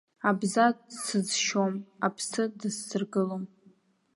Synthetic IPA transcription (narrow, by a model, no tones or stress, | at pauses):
abzadsɨzʃomapʰsɨdɨsːɨrɡɨlom